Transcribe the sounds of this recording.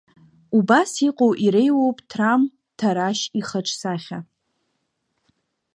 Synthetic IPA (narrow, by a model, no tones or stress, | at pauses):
ubasiqʼowʔiɾejwowpʼtʰram | tʰaɾaʃiχaʈ͡ʂʰʼsaχʲa